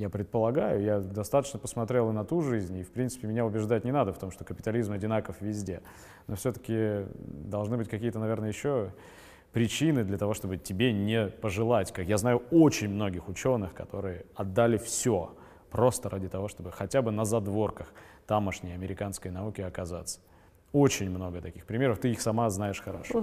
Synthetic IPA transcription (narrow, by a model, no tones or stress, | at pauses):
japɾʲɪt̪̚pəlˠɐɡajʊjad̪ɐst̪at̪ə̥t͡ɕnəpəsmɐt̪ɾʲelˠɨnɐt̪uʐɨzʲnʲifpɾʲint̪sɨ̥pʲɪmʲɪnʲaʊbʲɪʐd̪at̚ʲnʲɪnad̪əft̪o̞mʂt̪o̞kəpʲɪ̥t̪alʲizmɐdʲɪnakəfvʲɪzʲdʲe̞ | no̞fsʲɵt̪ə̥kʲɪd̪ɐlˠʐnɨbɨtʲkɐkʲijət̪ənɐvʲe̞rnəjəjɪɕːo̞ | pɾʲɪt͡ɕinɨd̪lʲət̪ɐvo̞ʂt̪o̞bɨtʲɪbʲenʲɪpəʐɨlˠatʲkakjaznajʊo̞t͡ɕɪnʲmno̞ɡʲɪxʊt͡ɕo̞nːɨxkɐt̪o̞ɾɨjəɐd̪ːalʲɪfsʲo | pɾo̞st̪əɾʔadʲɪt̪ɐvo̞ʂt̪o̞bɨxɐtʲabɨnəzɐd̪vo̞rkəxt̪aməʂnʲɪjɐmʲɪɾʲɪkanskəjnɐukʲɪɐkɐzat̪sə̥ | ot͡ɕɪnʲmno̞ɡət̪ɐkʲi̥xpɾʲɪmʲeɾəft̪ɨixsɐmaznajɪʂxɐɾaʂo